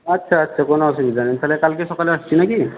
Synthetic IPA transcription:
ɐtːʃʰaːtːʃʰakɔnɔasɔɡid͡ʒanint̪alɛkalkesɔkaleəst͡ʃʰinaki

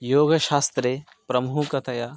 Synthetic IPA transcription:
joːɡɐʃaːst̪ɾe | pɾɐmuɦukɐt̪ʰɐjaː

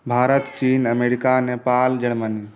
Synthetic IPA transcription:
bʱaːɾət̪t͡ʃiːnəmeɾikanepald͡ʒəɽməni

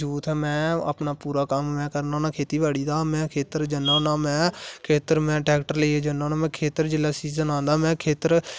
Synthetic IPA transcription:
uːt̪ɦɛːmɛ̃ːə̰pnaːpuːɾaːkəmːɛ̃ːkəɾnaːnakʰeːt̪iːbaːɽiːd̪aːmɛ̃ːkʰeːt̪əɾd͡ʒənːãːnaːmɛ̃ːkʰeːt̪əɾmɛ̃ːʈɛːkʈəɾləied͡ʒənãːnaːmɛ̃ːkʰeːt̪əɾd͡ʒɪlaːsiːzənãːnd̪aːmɛ̃ːkʰeːt̪əɾ

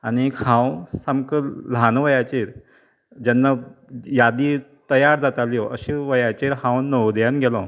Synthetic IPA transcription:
anikhãwsamkəlanʋəjat͡ɕeɾ | d͡ʑanːajad̪iːt̪əjaɾd͡zat̪aliɔʔəɕiʋəjat͡ɕeɾhãwnəwd̪janɡʱɛlɔ̃

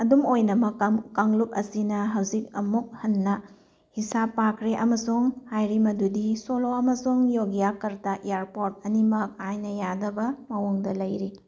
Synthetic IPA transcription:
ɐdumojnɐmɐkakaŋluk̚ɐsinɐɦɐwzik̚ɐmuk̚hɐnːɐ | hisapːakʰɾeʔɐmɐsuŋhajɾimɐdudisoloɐmɐsuŋjoɡijakɐɾtɐʔejaɾpoɾt̚ɐnimɐk̚ajnɐjadɐbɐmɐwoŋdɐlɐjɾi

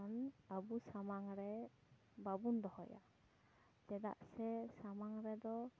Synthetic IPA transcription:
nabusamaŋɾɛ | babund̪ɔhɔja̰ | d͡ʒɛd̪a̰ʔsɛsamaŋɾɛd̪ɔ

